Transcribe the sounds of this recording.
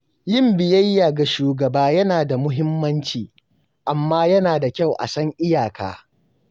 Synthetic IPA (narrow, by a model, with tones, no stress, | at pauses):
jɪ˦˨mbɪ˨jɐ˦jːa˨ɡa˨ʃuː˨ɡɐ˨baː˦jɐ˦naː˨da˨mʊ˦ɦɪ˦mːɐ˦nt͡ʃiː˨ | ʔa˨mːaː˦jɐ˦naː˨da˨kʲa˦˨wʔa̰˨sɐ˦ŋʔɪ˦jaː˨kʰa̰ː˦